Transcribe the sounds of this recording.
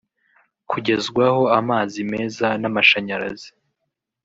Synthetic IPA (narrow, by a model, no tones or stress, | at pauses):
kʰuɟe̞zɡwaho̞amaːzime̞ːzanamaʃaɲaɾa̰zi